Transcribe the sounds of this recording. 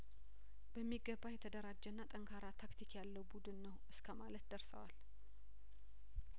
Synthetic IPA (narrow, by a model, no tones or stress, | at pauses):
b̥əmːiɡːəbːajɛt̪ʰəd̪əɾad͡ʒːɛnːat̪ʼəŋkʰaɾat̪ʰakt̪ʰikjalːəwbud̪ɨnːəwʔɨskʰəmalət̪d̪əɾsə̰wal